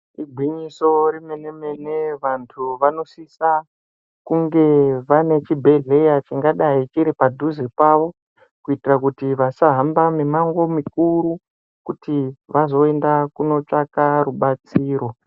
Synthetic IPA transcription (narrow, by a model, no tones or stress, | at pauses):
ibʱwiɲiso̞ɾimeneme̞neʋantʰuʋano̞sisa | kuŋɡe̞ʋane̞t͡ʃibʱe̞ɮe̞jat͡ʃiŋɡaɗait͡ʃiɾipadʱuzepaʋo̞ | kuitirakutiʋasaɦambamemaŋɡo̞mik̚uɾu | kutiʋazo̞e̞ndakuno̞t͡ʂakaruɓat͡siːɾo̞